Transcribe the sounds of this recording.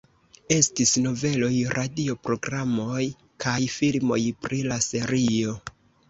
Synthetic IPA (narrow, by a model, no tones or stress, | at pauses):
e̞stisno̞ve̞lo̞jɾʔadio̞pɾo̞ɡɾamo̞j | kʰajfilmo̞̰jpɾilase̞ɾio̞